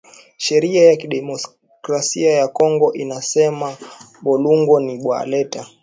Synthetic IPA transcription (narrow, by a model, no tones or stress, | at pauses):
ʃɛɾiajakiɗɛmɔ | kɾasiajakɔŋɡɔʔinasɛma | ɓɔluŋɡɔniɓwa̰lɛta